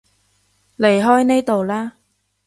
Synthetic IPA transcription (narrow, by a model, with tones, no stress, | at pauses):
le˨˩jɦɔː˥jne˥jt̪o˨wlaː˥